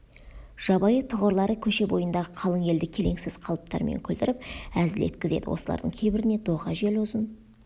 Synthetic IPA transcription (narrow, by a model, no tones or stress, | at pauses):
ʒ̥ɑbɑjət̪ʰəʁəɾlˠɑɾəkʲʰɵʃe̞bo̞jənd̪ɑʁəqʰɑlˠəŋe̞ld̪ɪkʲʰe̞le̞ŋsɪz̥qʰɑlˠəp̚t̪ɑ̰ɾmḛŋkʲʰɵlt̪ɪɾɪp̚æzɪle̞̰t̪̚kʲɪze̞̰d̪ɪwo̞̰səlˠɑ̰ɾd̪ə̰ŋkʲʰe̞jbɪɾɪne̞d̪oʁɑʒe̞lʊzən